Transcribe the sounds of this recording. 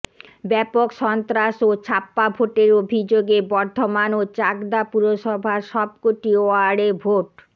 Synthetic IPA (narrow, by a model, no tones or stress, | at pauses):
bɛpokʃɔnt̪ɾaʃot͡ɕʰapːabʱoʈeɾobʱid͡ʑoɡebɔɾd̪ʱomanot͡ɕakd̪apuɾoʃɔbʱaʃɔb̚koʈioaɽebʱoʈ